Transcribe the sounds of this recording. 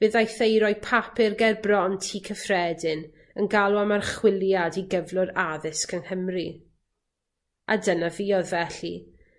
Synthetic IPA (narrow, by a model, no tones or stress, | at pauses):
v̥ɨːðajθejɾɔjpʰapʰɪrɡɛrbrɔntʰiːkʰəfrɛdɪn | ənɡalˠwamarχwɪlˠjadiɡəvlˠʊɾaðɪskənhəmri | a̰dənaviːɔðvɛɬḭ